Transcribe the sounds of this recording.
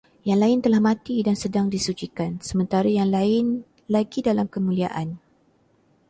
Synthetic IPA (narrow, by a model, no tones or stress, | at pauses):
jaŋlaɪnt̪əlahmãt̪idansədaŋdisut͡ʃikansəmə̃nt̪aɾajaŋlaɪn | laɡidalamkəmũlia̰ʔan